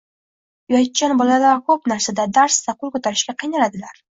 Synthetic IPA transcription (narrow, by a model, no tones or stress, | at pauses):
jɒt̪̚t͡ʃːanbɒlalakʰɵpnaɾsad̪ad̪aɾst̪aqʰʊlˠkɵt̪ʰaɾɪʃɡʲaqʰɨjnalad̪ɪlaɾ